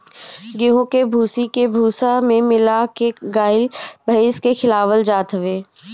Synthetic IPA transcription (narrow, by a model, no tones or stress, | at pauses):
ɡɪɦõkebʱuːsikebʱuːsamẽmɪlakeɡaːɪlbʱɐeːskexɪlaːʋəld͡ʒaːt̪ɦəʋeː